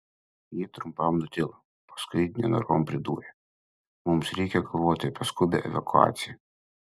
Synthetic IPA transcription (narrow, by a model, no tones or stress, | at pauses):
jit̪ɾʊmpɐmnʊt̪ʲɪlˠɐ | pɐ̥skʊɪnʲɛnɐ̰ɾoːmpʲɾʲɪd̪ṵːɾʲɛ | mʊmsɾʲɛɪkʲɛkoʋoːt̪ʲɪpɐskʊɪbʲɛ̰ʔɛ̰ʋɐkʊɑ̰ːt̪sʲɪjɛ